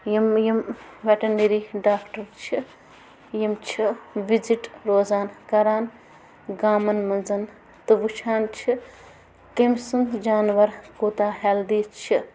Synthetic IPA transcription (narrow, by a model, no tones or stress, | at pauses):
jɐmjɐmʋeʈɐneɾiɖaːkʈɐɾt͡ʃʰi | jɐmt͡ʃʰiʋid͡ʒiʈɾoːzaːnkɐɾaːn | ɡaːmɐnmɐnzɐn | t̪ɨʋut͡ʃʰaːnt͡ʃʰi | kemsɐnt̪d͡ʒaːnʋɐɾkuːt̪aːɦeːld̪iːt͡ʃʰi